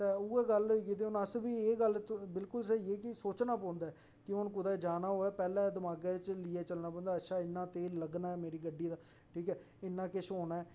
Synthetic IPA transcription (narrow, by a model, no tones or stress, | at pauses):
t̪eːʊeːɡəlikit̪eːʊnəsbiːeːɡəlt̪bɪlkʊlsɛeːk̬ɪsoːt͡ʃnaːpɔ̃ːnd̪aːɛ | kɪʊnk̬ʊd̪ɛːd͡ʒaːnaːɦoːɛːpɛːlɛ̃ːd̪ɪmaːɡeːt͡ʃliːeːt͡ʃəlnaːpɔ̃ːnd̪aːəʃʰaːɪnːãːt̪eːləɡnaːɛːmeːɾiːɡəɖːiːd̪aː | ʈʰiːkɛː | ɪnːãːkɪʃoːnaːɛː